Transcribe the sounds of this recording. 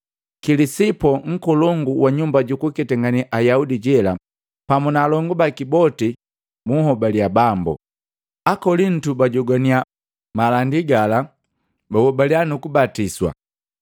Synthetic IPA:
kilisipɔŋ̩kɔlɔŋɡuwaɲumbaɟukukɛtɛŋɡaniʔajaudiɟɛla | pamunaːlɔŋɡubakibɔti | muhɔbaliabambṵ | akɔlin̩tubaɟɔɡania | malandiɡala | bawɔbalianukubatiswa̰

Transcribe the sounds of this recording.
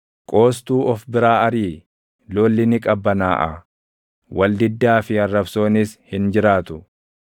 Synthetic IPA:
kʼo̞ːs̬t̪uːʔɔfbɪɾaːɐɾiː | lo̞ːlːɪnɪkʼɐbːɐnaːʔɐ̰ | wɐld̪ɪd̪ːaːfɪɐrːɐbso̞ːnɪshɪnd͡ʒɪɾaːt̪ʊ

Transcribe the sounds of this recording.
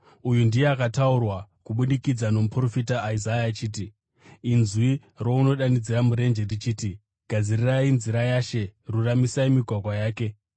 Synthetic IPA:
ujundijeakataurwakuɓuɗikid͡zano̞mupro̞fitaːizajat͡ʃiːt̬iː | nzwi | ro̞uno̞ɗanid͡ziramuɾe̞nd͡ʒerit͡ʃiːti | ɡ̥ʱad͡zirirainziɾajaʃe̞ruramisaimiɡʱwakwajaːke̞

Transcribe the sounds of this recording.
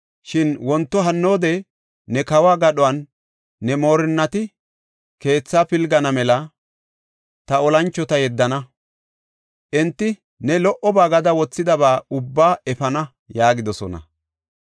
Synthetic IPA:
ʃɪnwɔnt̪ːɔɦɐnːo̞ːd̪ɛ | nɛkɐwaːɡɐɗɔwɐnː | ɛmo̞ːɾɪnːɐt̪ɪ | ke̞ːt͡sːaːpɪlɡɐnɐmɛlɐ | t̪ɐɔlɐnt͡ʃːɔt̪ɐjɛd̪ːɐnɐ | ʔɛnt̪ːɪ | nɛlɔʔɔbaːɡɐd̪ɐwɔt͡sːɪd̪ɐβaːʊbːaːɛfɐnɐ | jaːɡɪd̪ɔsɔ̰nɐ̰

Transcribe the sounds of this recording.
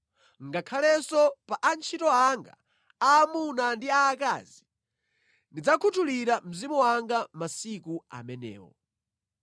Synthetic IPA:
ŋɡakʰalɛsɔpaʔant͡ʃʰitɔaŋɡa̰ | aːmunandiaːka̰zi | ndid͡zakʰutʰuliɾam̩zimuwaŋɡamasikua̰mɛnɛ̰ːwɔ̰

